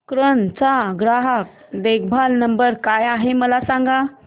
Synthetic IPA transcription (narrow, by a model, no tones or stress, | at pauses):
kɾənt͡saɡɾaɦək̚ | d̪ek̚bʱalnəmbəɾkajaɦeməlasãŋɡa